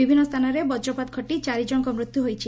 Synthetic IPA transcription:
ibʱinːɔst̪ʰanɔɾebɔd͡ʒɾɔpat̪kʰɔʈit͡ʃaɾid͡ʒɔŋkɔmɾut̪juɦojt͡ʃʰi

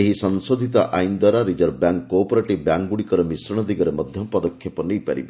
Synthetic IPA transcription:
eɦisɔnsod̪ʱit̪ɔʔajnd̪waɾaɾid͡ʒɔɾbjaŋkːɔpɔɾeʈibjaŋɡuɽikɔɾɔmisɾɔɽ̃ɔd̪iɡɔɾemɔd̪ʱjɔmpɔd̪ɔkʰːjɔpɔnejpaɾḭbɔ

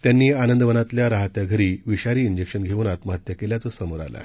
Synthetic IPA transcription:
t̪janːiːanənd̪əʋənat̪ljaɾaɦat̪jaɡʱəɾiːʋiɕaɾiːind͡ʑekʂənɡʱeuːnat̪məɦət̪jəkeljat͡sɔsəmoɾa̰la̰

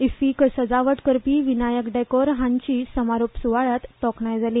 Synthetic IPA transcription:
ifikəsəd͡zaʋəʈkəɾpiːʋinajəkɖakɔɾɦãɲt͡ɕiːsəmaɾopsuʋaɭat̪ːɔkɳajd͡zʱaliː

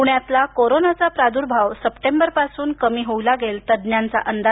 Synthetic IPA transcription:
uɳjat̪lakoɾonat͡sapɾad̪uːɾbʱaʋsəpʈembəɾpasuːnkəmiːɦoulaɡelt̪əd̪njant͡sa̰ʔənd̪a

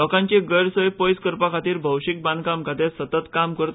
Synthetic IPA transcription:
ɔkãɲt͡ɕeɡəɾsəjpojskəɾpakʰat̪iːɾbʱəwɕik̚bãnd̪kamkʰat̪esət̪ət̪kamkəɾt̪

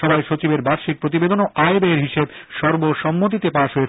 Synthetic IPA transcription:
ɔbaeʃot͡ɕibeɾbaɾʃik̚pɾot̪̬ibed̪onoʔajbeeɾɦiʃeb | ʃɔɾboʃɔmːot̪̬it̪epaʃoe

